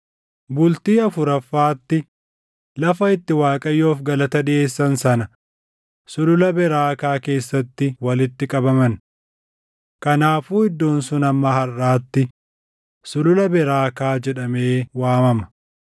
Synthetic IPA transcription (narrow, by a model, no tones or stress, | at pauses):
bʊlt̪iːɐfʊɾɐfːaːt̪ːɪ | lɐfɐɪt̪ːɪwaːkʼɐjːo̞ːfɡɐlɐt̪ɐd̪ɪʔe̞ːsːɐnsɐnɐ | sʊlʊlɐbɛɾaːkaːke̞ːsːɐt̪ːɪwɐlɪt̪ːɪkʼɐbɐmɐn | kɐnaːfuːɪd̪ːo̞ːnsʊnɐmːɐhɐrːaːt̪ːɪ | sʊlʊlɐbɛɾaːkaːd͡ʒɛᶑɐme̞ːwaːmɐmɐ̥